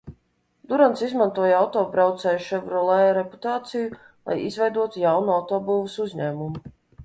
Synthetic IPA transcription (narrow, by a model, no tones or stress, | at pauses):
d̪uɾansizmant̪uɔjawt̪ɔːbɾawt̪sɛːjuʃɛvɾulˠɛjɾepu̥t̪aːt̪siju | lˠa̰jḭzvɛjd̪uɔt̪ujawnuawt̪ɔːbuːvɨsuzɲæːmumu